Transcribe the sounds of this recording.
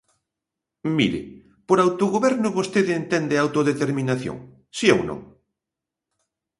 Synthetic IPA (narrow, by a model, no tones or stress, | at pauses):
mḭɾɪ̰ | poɾawt̪oɣoβɛɾnʊβost̪eðent̪ɛnd̪ɪawt̪oðet̪eɾmĩnaθjõ̰ŋ | siewnõ̰ŋ